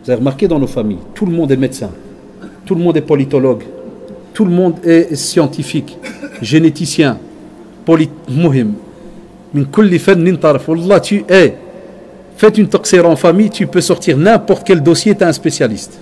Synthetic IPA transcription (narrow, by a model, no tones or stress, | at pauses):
uzaveʁmaʁked̪ɑ̃nofamḭjt̪uləmɔ̃d̪ɛmed̪sɛ̰̃ | t̪uləmɔ̃d̪ɛpɔlit̪ɔlɔɡt̪uləmɔ̃d̪ɛsjɑ̃t̪ifikʒenet̪isjɛ̃ | pɔlimʊɦɪmː | inkʊlːifænːlint̪ɑɾˤəfwɑlˤːɑt̪yʔɛ | fɛt̪ynt̪ɔqseɾɑɑ̃famijt̪ypøsɔʁt̪iʁnɛ̃pɔʁt̪kɛld̪osjet̪ɛɛ̃spesjalist̪